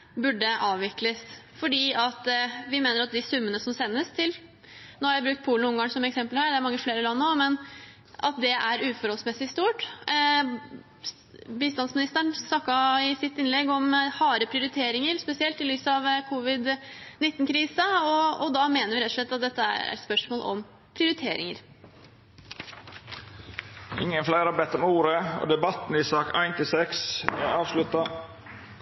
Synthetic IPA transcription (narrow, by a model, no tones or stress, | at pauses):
bʉɖːəʔɑːʋʋɪkləsfɔɖiːɑt̪ʋɪmeːnəɾɑt̪̚d̪ɪsʉmːənəsɔmsɛnːəst̪ʰɪl | noːhɑɾjæɪbɾʉkt̪̚pʰuːln̩ʊŋɡɑŋsɔmɛksɛmpəlhæːɖ̪ɛæɾmɑŋːəfleːɾəlɑnːoːmɛn | ʔɑ̰t̪̚d̪ɛʔæɾʉːfɔɾɔlsmɛsɪst̪uːʈ | biːst̪ɑnsmɪnɪst̪əɳsnɑkːɑɪsɪt̪ːɪnlɛɡɔmhɑːɾəpʰɾɪʊɾɪt̪ʰeːɾɪŋəɾspɛsɪɛlt̪ɪlyːsɑʋkʰʊʋɪd̪ | nɪt̪ːnkʰɾiːsəɔɔd̪ɑmeːnəɾʋɪɾɛt̪ːɔʂɭɛt̪ːɑt̪̚d̪ɛt̪ːəæ̰ɾæ̰spœʂmoːlʔɔ̰m | pʰɾɪʊɾɪt̪ʰeːɾɪ̰ŋəɾ | ʔɪ̰ŋːənflæɪɾɑbɛt̪ːɔmuːɾəo̰ːd̪ɛbɑt̪n̩ɪsɑːkæ̰ɪnt̪ɪlsɛksæ̰ɑːʋslʉt̪ɑ